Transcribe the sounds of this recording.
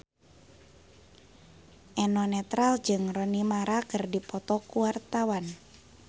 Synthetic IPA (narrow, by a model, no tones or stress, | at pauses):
ʔɛnɔnɛt̪ɾald͡ʒɨŋrɔnimaɾakərdipɔt̪ɔkuwart̪awan